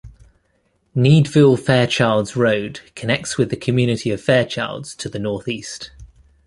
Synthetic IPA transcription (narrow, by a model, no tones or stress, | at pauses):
niːdvɪlˠfɛːt͡ʃʰɑɪlˠdz̥ɹəʊd̥kʰənɛk̚tswɪðəkʰəmjʉːnɪtʰiəv̥fɛːt͡ʃʰɑɪlˠdz̥tʰəðənɔˑθiˑst